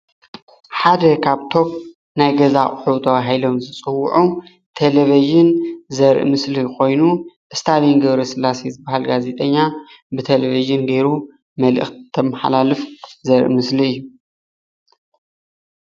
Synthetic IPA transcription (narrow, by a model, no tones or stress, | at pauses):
ħad̪ɐkʰaβt̪ʰo̞p̚ | najɡɐzaχʼħut̪ʰɐβaɦilo̞mzɨt͡sʼɨwːʊʕu | t̪ʰeleviʒɨnzɐɾʔɨ̰mɨsliko̞jnuʔɨst̪ʰalinɡɐβɾɐsɨlasezɨbahalɡaze̞t̪ʼɐɲːa | bɨt̪ʰeleviʒɨnɡe̞ɾu | mɐlʔɨ̰xt̪ʰːɐmaħa̰lalɨfzɐɾʔḭmɨsliɨjːu